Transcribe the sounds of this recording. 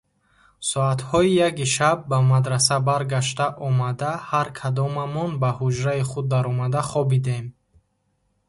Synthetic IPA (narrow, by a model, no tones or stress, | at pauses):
sɔat̪hɔijaɡiʃab̚ːamad̪ɾasabaɾɡaʃ̬t̪aʔɔmad̪ahaɾkʰad̪ɔmamɔnbahud͡ʒɾaiχud̪ːaɾɔmad̪aχɔbid̪em